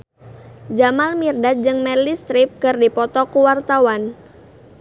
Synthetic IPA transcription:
d͡ʒamalmirdad͡ʒɨŋmɛlist̪ɾɪp̚kɨrdipɔt̪ɔkuwart̪awan

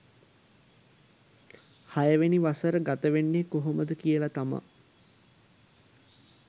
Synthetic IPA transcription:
hajəʋeniʋasəɾəɡat̪əʋenːekoɦoməd̪əkijəlat̪ama̰

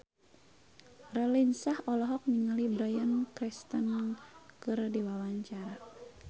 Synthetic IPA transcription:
rɛlinsahɔlɔɦɔk̚niŋəlibɾajankɾist̪ənkɨrdiwawaɲt͡ʃaɾa

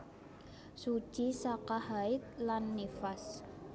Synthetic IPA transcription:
su̥ʒ̥isakahaɪt̪̚lanːifas

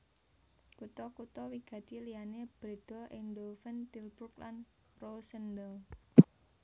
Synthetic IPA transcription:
kut̪ɔkut̪ɔwiɡ̥ä̤t̪ilijaneb̥ɾed̪̥ɔ̤ʔɪŋdofɛnt̪ilburklʔan | rosəndəl

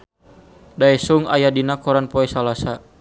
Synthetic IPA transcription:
daɛsuŋa̰jadinakɔɾanpɔɛsalasa

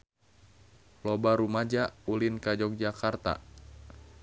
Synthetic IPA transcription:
lɔbaɾumad͡ʒaulinkad͡ʒɔk̚d͡ʒakart̪a̰

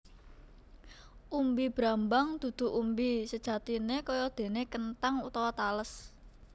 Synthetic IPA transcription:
ʔumbib̥ɾambaŋd̪̥ṳd̪̥ṳʔumbisəd̥ʒ̥ä̤t̪inekɔjɔd̪̥e̤nekənt̪aŋut̪awat̪aləs

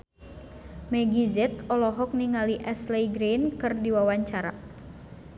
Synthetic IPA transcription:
mɛɡizɛt̪̚ɔlɔɦɔk̚niŋaliʔɛslɛjɡɾenkɨrdiwawaɲt͡ʃaɾa̰

